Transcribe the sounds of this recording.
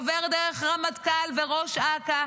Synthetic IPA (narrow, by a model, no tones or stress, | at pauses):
veʁd̪eʁeχʁamat̪kalveʁoʃaka